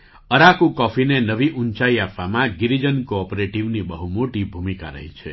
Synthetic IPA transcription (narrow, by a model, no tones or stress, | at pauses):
əɾakukɔfʰinenəʋiʔunt͡ʃaiapʋamãɡiɾid͡ʒənkoɔpoɾeʈiʋnibəɦumoʈibʱumika̰ɾə̰ɦit͡ʃʰe